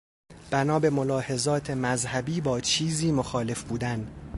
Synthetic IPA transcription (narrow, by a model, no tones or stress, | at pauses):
b̥ænɒːbe̞mo̞lɒːhe̞zɒːt̪ʰe̞mæzhæbiːbɒːt͡ʃʰiːziːmoxɒːle̞fbuːd̪æn